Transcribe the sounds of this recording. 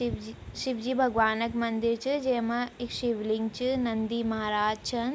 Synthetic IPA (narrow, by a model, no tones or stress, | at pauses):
ʃiʋd͡ʒibʱɐɡʋaːnɐkmɐnd̪iɾt͡ʃid͡ʒeːmɐikʃiʋliŋɡt͡ʃɨnɐnd̪imɐɦaɾaːd͡ʒt͡ʃʰɐn